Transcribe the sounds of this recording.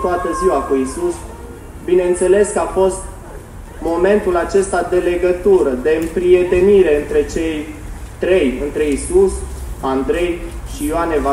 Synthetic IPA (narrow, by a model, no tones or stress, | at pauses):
t̪oat̪əziwakuisus | bine̞ɨnt̪se̞le̞skəafo̞st̪ | mo̞me̞nt̪ulat͡ʃe̞st̪ad̪e̞le̞ɡət̪uɾəd̪e̞ɨmpɾie̞t̪e̞niɾe̞ɨnt̪ɾe̞t͡ʃe̞jt̪ɾe̞jɨ̰nt̪ɾe̞isusand̪ɾe̞jʃijoaneva